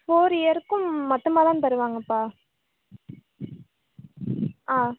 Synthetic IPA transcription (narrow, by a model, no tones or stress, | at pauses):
foːɾɐɾɯkːɯ̃mːɐʈ̪ːɯmaːt̪ãːt̪ɐɾɯʋaːŋɡɐpːaː | aː